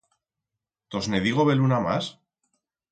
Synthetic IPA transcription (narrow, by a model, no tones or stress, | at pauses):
t̪ozneðiɣ̞oβe̞lunama̰s